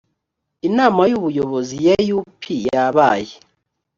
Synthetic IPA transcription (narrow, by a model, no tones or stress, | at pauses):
inaːmajuβujoβozijejupʰijaβaːje